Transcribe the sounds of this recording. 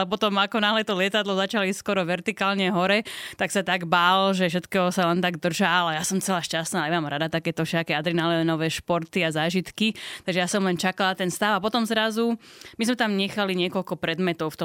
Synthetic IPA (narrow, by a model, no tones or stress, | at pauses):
ɛpɔt̪ɔmakɔnaɦlɛt̪ɔlɪɛt̪ad̪lɔzat͡ʃaliskɔɾɔʋɛɾt̪ikaːlɲɛɦɔɾɛt̪aksat̪aɡbaːlɔʒɛfʃ̬ɛt̪kɛːɦɔsalɛnt̪aɡd̪r̩ʒaalajasɔmt͡sɛlaːʃcast̪naːɛmaːmɾad̪at̪akɛːt̪ɔfʃɛakɛːad̪ɾinalɛɛnɔʋɛːʃpɔɾt̪iazaːʒit̪kit̪aɡʒɛjasɔmlɛnt͡ʃakalnat̪ɛnst̪aʊapɔt̪ɔmzɾazumizmɛt̪amɲɛxaliɲɪɛkɔʎkɔpɾɛd̪mɛt̪ɔʊft̪ɔ